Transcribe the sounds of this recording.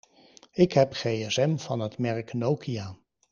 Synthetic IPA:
ɪkɦɛpχejɛsɛmvɑnɦətmɛrknowkʰiaː

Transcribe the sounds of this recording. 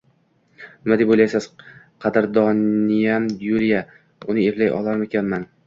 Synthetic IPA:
nnɪmad̪epbojlajsaz̥ | qʰɑd̪ɪɾd̪ɒnijamjuɾija | ʊnɪevlajʔɒ̰lˠaɾmekʰʲanman

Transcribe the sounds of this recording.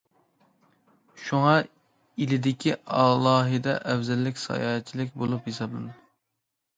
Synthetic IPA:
ʃuŋɑ | ilɪd̪ɪkʲʰiɑlˠɑːɦɨd̪ɛʔɛwzɛlːɪkʲsɑ̰jɑːɦɛt͡ʃʰːilɪkʲbolˠuphesɑb̚d̪ɨm

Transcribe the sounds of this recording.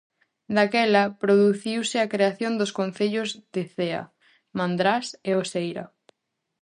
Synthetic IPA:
d̪akɛlɐpɾoðuθiwsɪakɾeaθjond̪ʊskon̟θeʎʊzðeθeɐ̰ | mãnd̪ɾaseosejɾɐ̰

